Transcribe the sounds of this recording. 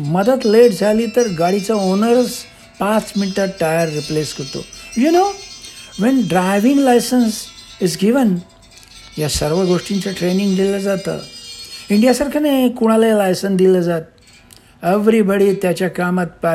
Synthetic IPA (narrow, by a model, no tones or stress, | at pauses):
məd̪əd̪leʈd͡zʱaliːt̪əɾɡaɽit͡saonəɾəs | pãt͡sminʈəʈajəɾːipleskəɾt̪o̰juno | ʋɛ̃nɖɾaɪʋĩŋɡlajsənsizɡiʋən | jasəɾʋəɡoʂʈint͡saʈɾenĩŋɡd̪iləd͡zat̪ə̰ːiɳɖijasəɾkʰənekuɽ̃aləlajsə̃nd̪iləd͡zat̪̚ | eʋɾibəɽit̪jat͡ɕjakamat̪̚pa